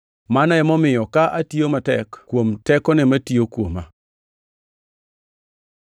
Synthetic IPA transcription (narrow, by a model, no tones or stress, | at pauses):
manajɛmomɪjɔkaʔatijomatɛkkwomtɛkɔnematiokuoma